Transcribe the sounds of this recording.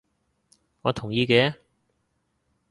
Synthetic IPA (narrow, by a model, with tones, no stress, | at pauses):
ŋɔː˨˧t̪ʰʊ˨˩ŋjiː˧kɛː˨˧